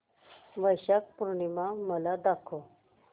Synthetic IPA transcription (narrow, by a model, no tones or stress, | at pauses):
ʋəjɕak̚puɾɳimaməlad̪akʰo